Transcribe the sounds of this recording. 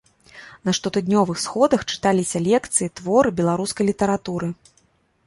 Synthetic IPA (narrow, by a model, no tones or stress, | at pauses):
nɐʂt̪ɔt̪ɨd̪ʲnʲɔvɨxsxɔd̪ɐxt͡ʂɨ̥t̪alʲisʲɐlʲɛkt̪sɨjit̪vɔɾɨbʲɛlˠaɾuskɐjlʲit̪ɐɾat̪uɾɨ